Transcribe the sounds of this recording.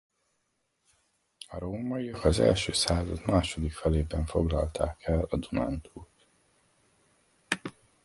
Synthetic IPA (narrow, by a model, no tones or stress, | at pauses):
ɒɾoːmɒijɒkɒzɛ̰lʃøːsaːzɒd̪maːʃo̞d̪ikfɛleːbɛɱfo̞ɡlɒlt̪ʰaːkʰɛlɒd̪una̰nt̪ʰuːt̪